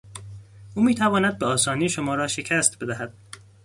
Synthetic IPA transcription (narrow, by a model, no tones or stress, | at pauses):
ʔuːmiːt̪ʰævɒːnæd̪̚beɒːsɒːniːʃomɒːɾɒːʃe̞cʰæst̪be̞d̪æɦæd̪̥̚